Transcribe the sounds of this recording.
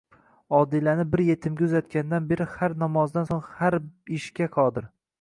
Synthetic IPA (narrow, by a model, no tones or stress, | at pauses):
ɒd̪ɪlanɪbɪɾje̞t̪ʰɪmɡʲaʊzat̪̚kʲand̪anbe̞ɾɪhaɾnamɒzd̪ansoŋhaɾɪʃkʲaqʰɒd̪ɪɾ